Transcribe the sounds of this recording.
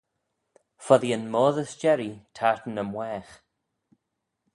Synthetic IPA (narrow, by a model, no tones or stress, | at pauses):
fɔðiənmoːðəsd͡ʒɛɾitʰaɹtən̩əmwɛːx